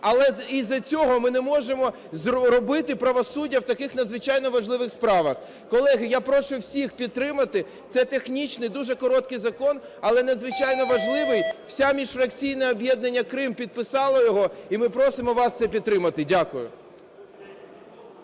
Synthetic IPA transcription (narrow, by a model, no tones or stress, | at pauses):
ɐlˠɛizɐt͡sʲɔɦɔmɪnɛmɔʒemɔ | zɾɔbɪt̪ɪpɾɐʋɔsudʲːɐwt̪ɐkɪxnɐd̪zʋɪt͡ʃajnɔʋɐʒlˠɪʋɪxspɾɑʋɐx | kɔlˠɛɦɪjapɾɔʃʊwsʲixpʲid̪̚t̪ːɾɪmɐt̪ɪ | t̪sɛt̪exnʲit͡ʃnɪjd̪uʒɛkɔɾɔt̪kɪjzɐkɔn | ɐlˠɛnɐd̪zʋɪt͡ʃajnɔʋɐʒlˠɪʋɪjw̥sʲamʲiʃfɾɐk̚t͡sʲijnɛɔbʲjɛd̪nɐnʲːɐkɾɪmpʲid̪̚pɪsɑlˠɐjɔɦɔimɪpɾɔsɪmɔʋɑst̪ɛpʲid̪̚t̪ːɾɪmɐt̪ɪdʲakʊjʊ̰